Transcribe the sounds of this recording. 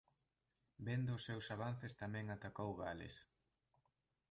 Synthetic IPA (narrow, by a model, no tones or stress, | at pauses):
bend̪ʊːsːewsaβanθest̪amɛ̃ŋat̪akowɣalḛs